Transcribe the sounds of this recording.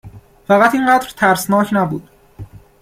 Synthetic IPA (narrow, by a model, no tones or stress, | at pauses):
fæɣæt̪iːŋɢæːd̪ɾt̪ʰæɾsnɒːcʰnæbṵːd̪̥